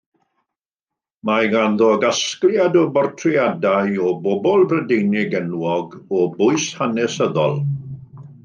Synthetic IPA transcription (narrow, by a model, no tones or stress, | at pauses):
maɡanðɔɡaskljadɔbɔrtʰrjadajɔbɔbɔlˠbrədejnɪɡɛnwɔɡɔbʊɨshanɛsəðɔ̰lˠ